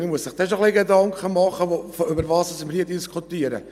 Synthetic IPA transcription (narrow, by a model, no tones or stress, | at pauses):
məmuəsɪχd̥ɛʃoχliɡedɑŋkχəmɑχəfʏbəɾvɑːsosɪməɾhiːədiskʰut̪iːəɾə̰